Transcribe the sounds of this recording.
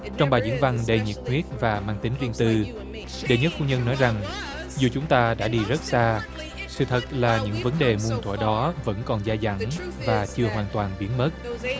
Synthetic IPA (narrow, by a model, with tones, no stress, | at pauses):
t͡ɕɔ˧wŋ͡mɓaː˨˩zḭ˧˥ənva˧ŋɗə˧jɲḭ˨˩t̚kwi˦˥ət̚vaː˨˩maː˧ŋt̪ï˨˦ŋ̟zi˧ənt̪ɨ˧ | ɗe˨˩ɲə˦˥t̚fu˨˧˦ɲə˧nːɔ˨˦jza˨˩ŋ | zu˨˩t͡ɕʊ˨˦ŋ͡mt̪aː˧ɗa̰ː˧˥ɗi˧zə˦˥t̚saː˧ | sɨ̰˧˨t̪ʰə˨˩t̚laː˨˩ɲɨ̰˧˥ŋvə˨˦nɗe˨˩mu˧nt̪ʰwə̰ː˧˩ɗɔ˨˦və̰˧˥nkɔ˨˩nzaː˧za̰˧˩ŋvaː˨˩t͡ɕɨ˧əɦwaː˨˩nt̪waː˨˩nɓi˨˦ənmə˦˥t̚